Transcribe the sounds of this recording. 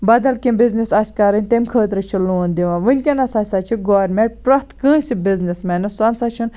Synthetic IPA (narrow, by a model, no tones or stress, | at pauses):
bɐd̪ɐlkʲimbiznisɐsʲkɐɾɐnʲt̪emʲkʰəːt̪ɾɨt͡ʃʰiluːnd̪iʋãʋɨnʲkʲɐnɐsasat͡ʃʰiɡoːʋɐɾmẽʈ̚pɾɐt̪ʰkɨ̃ːsʲibiznismɐnɐsɐnsɐt͡ʃʰin